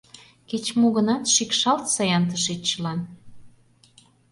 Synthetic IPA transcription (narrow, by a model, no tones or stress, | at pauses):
ket͡ɕmuɣə̆nɑt̪ʃikʃɑlt̪sɑjɑnt̪̬əʃet͡ɕəlɑn